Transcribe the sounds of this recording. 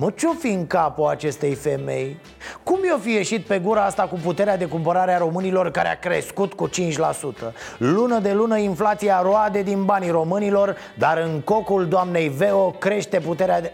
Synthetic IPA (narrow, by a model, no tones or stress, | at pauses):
mət͡ʃo̞fiɨŋkapuat͡ʃe̞st̪e̞jfe̞me̞̰j | kumjo̞fije̞ʃit̪̚pe̞ɡuɾaast̪akuput̪e̞ɾead̪e̞kumpəɾaɾeaɾo̞mɨnilo̞rkaɾea̰kɾe̞̰skut̪kut͡ʃint͡ʃʲlasut̪əlunəd̪e̞lunəinflat̪siaɾoad̪e̞d̪inbaniɾo̞mɨnilo̞r | d̪aɾɨŋko̞kuld̪oamne̞jve̞okɾe̞ʃt̪e̞put̪e̞ɾea